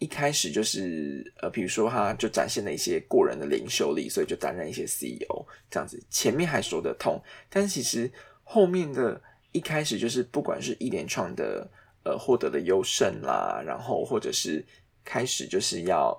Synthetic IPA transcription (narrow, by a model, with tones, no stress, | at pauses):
i˥˩kʰa˥ɪʂɻ̩˨˩t͡ɕjo˥˧ʊʂɻ̩˥˩ə˨˩pi˨˩ɻu˧˥ʂwɔ˥t̪ʰa˦˥t͡ɕjo˥˩ʊʈ͡ʂa̰˨˩nɕjɛ˥˩nlə˩i˥˩ɕjɛ˦˥kwɔ˥˩ɻə̰˧˦nd̪ə˨lḭ˧˥ŋɕjo˥˧ʊlḭ˨˩swɔ˧˦˥i˨˩t͡ɕjo˥˩ʊt̪a̰˧˦nɻa˧˩ni˥˩ɕjɛ˥si˦˥ḭ˧o̰˨˧˥ʊʈ͡ʂə˥˧jɑ̰˥˨˩ŋd͡z̩˨˩t͡ɕʰjɛ˧˥nmjɛ˥˨nxa˧˥ɪ˩wɔ˧˥d̪ə̰˧t̪ʰo˥˩˦ŋt̪a˥˧n˥˩t͡ɕʰi˧˥ʂɻ̩˧˦xo˥˧ʊmjɛ˥˩nd̪ə˩ | i˥˩kʰa˥ɪʂɻ̩˨˩t͡ɕjo˥˧ʊʂ̬ɻ̩˥˧pu˥˩kwa̰˨˩nʂɻ̩˥˧˩ʔi˥˩ljɛ˧˥nʈ͡ʂʰwɑ˥˩ŋd̪ə̰˩ | ə̰˨˩xwɔ˥˩t̪ɤ̰˧˥d̪ə˨jo˥ʊʂə˥˧˩nla̰˨˩ɻa̰˧˥nxo˥˧ʊxwɔ˥˩ʈ͡ʂɤ̰˨˩ʂɻ̩˥˩ | kʰa˥ɪʂɻ̩˨˩t͡ɕjo˥˧ʊʂɻ̩˥˧jɑ˥˩ʊ